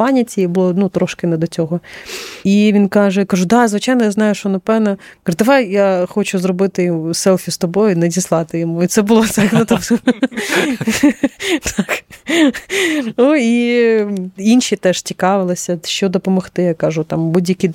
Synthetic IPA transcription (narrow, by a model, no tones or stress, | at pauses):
pɑnʲɐtʲijbʊlˠɔnut̪ɾɔʃkɪnɛd̪ɔt͡sʲɔɦɔ | iʋʲinkɑʒɛkɐʒud̪ɑzʋɪt͡ʃajnɔjaznɑjʊʃɔnɐpɛwnɐ | kɑɨd̪ɐʋɑjjaxɔt͡ʃʊzɾɔbɪt̪ɪjsɛlˠfʲist̪ɔbɔjʊnɐdʲislˠɑt̪ɪjɔmuit̪sɛbʊlˠɔt̪knut̪ɔ | t̪ʰɑk | nui | inʲʃit̪ɛʂtʲikɑʋɪlˠɪsʲɐʃt͡ʃɔd̪ɔpɔmɔxt̪ɪjakɑʒʊt̪ɑmbudʲjɐkʲi